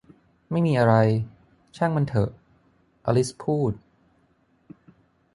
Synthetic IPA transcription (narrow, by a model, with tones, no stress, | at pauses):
ma˥˩jmiː˧ʔa˧ɾa˧j | t͡ɕʰa˥˩ŋma˧nt̪ʰɤ̰˨˩ʔ | ʔa̰˧li˦˥spʰuː˥˩t̪̚